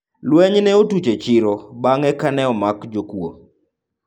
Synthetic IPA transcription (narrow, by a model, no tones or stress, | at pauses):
lwɛɲnɛotut͡ʃet͡ʃɪɾobaŋɛkanɛɔmakd͡ʒokwo̰